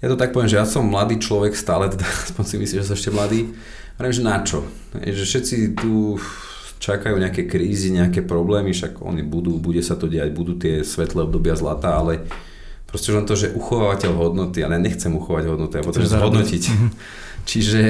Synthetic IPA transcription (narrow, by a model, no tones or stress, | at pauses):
jat̪ɔt̪ak̚pɔʋɪɛmʒɛjasɔmːlad̪iːt͡ʃlɔʋɛkst̪aːlɛt̪ɛd̪aaspɔɲsimḭslimʒɛs̬ɔɛʃcɛmlad̪iː | aʋɛɾɛiɛmʒɛnat͡ʃɔ | ɦɛ̰jʒɛfʃɛt̪t͡sit̪u | t͡ʃakajuːɲɛakɛjkɾiːziɲɛakɛːpɾɔblɛːmiʃaɡɔ̰nibud̪uːbuɟɛsat̪ɔɟɛjaɟbud̪uːt̪ɪɛsʋɛt̪lɛɔb̚d̪ɔbɪazlat̪aːalɛ | pɾɔscɛuʒlɛnt̪ɔʒɛʔuxɔʋaːʋacɛʎɦɔd̪nɔt̪ia̰lɛjaɲɛxt͡sɛmuxɔʋaɟɦɔd̪nɔt̪iapɔt̪ɔʒɛzɦɔd̪nɔcic | t͡ʃiʒɛ